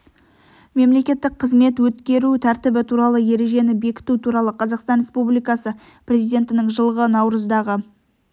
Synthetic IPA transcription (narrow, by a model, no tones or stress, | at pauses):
me̞mle̞kʲe̞t̪ːɪk̚qʰəzme̞t̪wɵt̪kʲe̞ɾut̪ʰæɾt̪ɪbɪt̪ʰuɾɑlˠəje̞ɾe̞ʒe̞nɪbe̞kʲɪ̥t̪ut̪ʰuɾɑlˠəqʰɑzɑqst̪ɑnɾʲe̞spublijkɑsə | pɾʲe̞zijd̪ʲe̞nt̪ɪnɪŋʒəlˠəʁənɑwɾəzd̪ɑʁə